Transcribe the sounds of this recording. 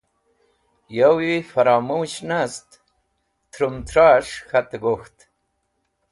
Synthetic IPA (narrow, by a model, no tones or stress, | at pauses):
jawifaɾɑːmuɕnast̪ | t̪ʰɾumt̪ʰɾaʂxat̪aɡoxt̪